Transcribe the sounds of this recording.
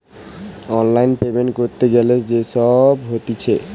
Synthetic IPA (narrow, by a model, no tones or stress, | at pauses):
ɔnlajnpebenkoɾt̪eɡeled͡ʑeʃɔbɦot̪it͡ɕʰe